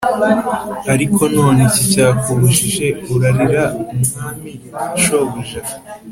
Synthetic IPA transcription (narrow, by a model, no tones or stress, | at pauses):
aɾikʰo̞no̞ːnecicaːkʰuβuʃiʒe̞uɾaɾiɾaumuŋaːmiʃoβuʒa